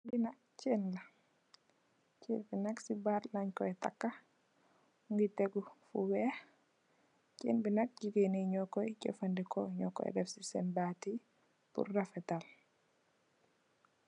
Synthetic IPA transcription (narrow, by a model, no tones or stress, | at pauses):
binak̚ | t͡ʃɛnla | t͡ʃenbinaksibatlaɲkɔɛta̰kːa | ŋɡitɛɡufṵwɛ | t͡ʃɛ̰nbinak̚d͡ʒiɡeniɲɔkːɔjcɔ̰fandikɔɲɔkːɔ̰ɛ̰dɛfsisɛ̰mbati | pṵrːafɛtal